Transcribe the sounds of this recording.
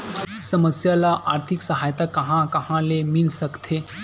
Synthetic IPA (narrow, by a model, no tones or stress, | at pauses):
səməsjalaʔaɾt̪ʰiksəɦajt̪akəɦãkəɦãlemiːlsəkt̪ʰe